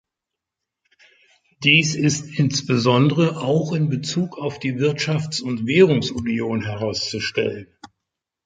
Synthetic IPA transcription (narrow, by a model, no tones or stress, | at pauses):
d̥iːsɪstʔɪnsb̥əzɔndəʁəʔaʊxɪnbət͡suːkaʊfd̥iːvɪɐtʃaft͡sʊntv̥ɛːʁ̞ʊŋsunjoːnɦɛʁaʊst͡suʃtɛ̰lən